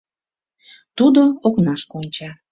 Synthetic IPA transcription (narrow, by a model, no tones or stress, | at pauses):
t̪ud̪ooknɑʃkonʲt͡ɕɑ